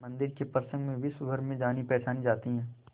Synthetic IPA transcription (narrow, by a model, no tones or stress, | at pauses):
mɐ̃nd̪ɪɾkepɾəsə̃ŋɡmẽbʱisʊbʱəɾmẽd͡ʒaːnipɛːt͡ʃaːnĩd͡ʒaːt̪iɦɛ̃ː